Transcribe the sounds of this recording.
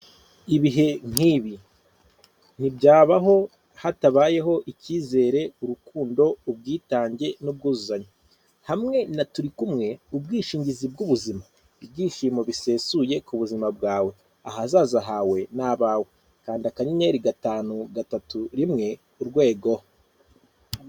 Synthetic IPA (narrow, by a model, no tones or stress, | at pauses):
iβiɦe̞ŋ̥iːβi | n̥ibɟaːβaɦo̞ | hataβaːje̞ɦo̞ʔiciːze̞ːɾe̞uɾukuːndo̞ub̚ɡiːtaːɲɟe̞nub̚ɡuːzuzaɲo | hamŋe̞natuɾikumŋe̞ub̚ɡiːʃiːɲɟizib̚ɡuβuzima | ib̚ɡiːʃiːmo̞βise̞ːsuje̞kuβuzimab̚ɡaːwe̞ | aɦazaːzaɦawe̞naːβawe | kaːndiakaɲiɲeɾiɡataːnuɡatatuɾimŋe̞ | uɾɡwe̞ːɡoho